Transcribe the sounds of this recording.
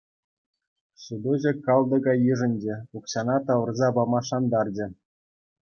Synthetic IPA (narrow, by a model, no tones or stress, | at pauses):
sud̪uʑɘ̆kɑlˠd̪ɤ̆ɡɑjiʐɘ̆nʲd͡ʑĕukɕɑnɑt̪ɑʋɤ̆rzɑbɑmɑʂɑnd̪ɑrd͡ʑɘ̆